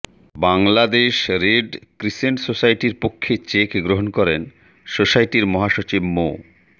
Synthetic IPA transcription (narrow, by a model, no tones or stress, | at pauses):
baŋlad̪eʃɾeɖkɾiʃeɳɖsosajʈiɾpokʰːet͡ɕekɡɾoɦonkɔɾen | sosajʈiɾmɔɦaʃot͡ɕibmo